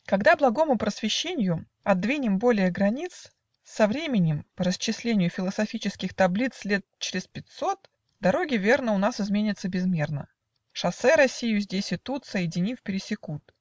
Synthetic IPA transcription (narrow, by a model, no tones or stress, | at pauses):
kɐɡd̪ablˠɐɡo̞mʊpɾəsvʲɪɕːenʲɪjʊ | ɐd̪vʲinʲɪmbo̞lʲɪjəɡɾɐnʲit̪s | sɐvɾʲemʲɪnʲɪmpəɾəst͡ɕːɪsʲlʲenʲɪjʊfʲɪlˠəsɐfʲit͡ɕɪskʲɪxt̪ɐblʲit̪slʲe̞t̪̚t͡ɕɪɾʲɪspʲɪt̪ʲso̞t̪ | d̪ɐɾo̞ɡʲɪvʲe̞rnəʊnasɨzmʲenʲɪt̪səbʲɪzmʲe̞rnə̰ | ʂɐsɛɾɐsʲijʊzʲdʲesʲɪt̪ut̪səjɪdʲɪnʲifpʲɪɾʲɪsʲɪkut̪̚